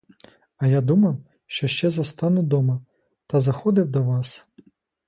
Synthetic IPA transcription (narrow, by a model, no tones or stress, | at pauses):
ɐjad̪umɐw | ʃt͡ʃɔʃt͡ʃɛzɐst̪ɑnʊd̪ɔmɐ | t̪ɐzɐxɔd̪ɪwd̪ɔʋɑs